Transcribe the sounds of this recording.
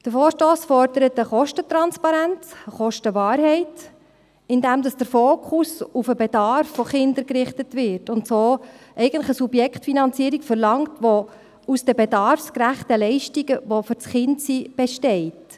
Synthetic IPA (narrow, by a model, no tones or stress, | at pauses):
d̥əɾfoːɾʃtoːsfɔɾd̥əɾətəχɔʃtətɾɑnspɑɾænt͡səχɔʃtəʋɑːɾɦɛɪt | ɪndɛmdɑsd̥əɾfoːkʰχusufəbɛdɑɾfːɔχɪndəɾkrɪχtətʋɪɾtʊntsoːʔɛɪɡən̩tlə̥χəsubjɛkχtfinɑnt͡siəɾikfəɾlɑŋtʋo | usd̥ɛbɛdɑɾfskɾæχtəlɛɪʃtiɡəʋofʏɾt͡sχɪntsib̥ɛʃtɛɪt